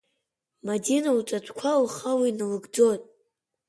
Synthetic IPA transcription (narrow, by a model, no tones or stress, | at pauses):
madinaut͡sʷʼatʷʰʼkʷʰalχawinɨlɨɡd͡zonʼ